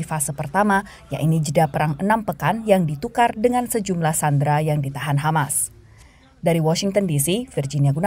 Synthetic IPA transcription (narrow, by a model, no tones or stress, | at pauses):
fasəpərt̪ama | ja̰ʔinid͡ʒədapəɾaŋənampəkanjaŋdit̪ukardəŋansəd͡ʒumlahsandɾajaŋdit̪aɦanɦamas | daɾiwɔsiŋt̪əndisifird͡ʒiniaɡuna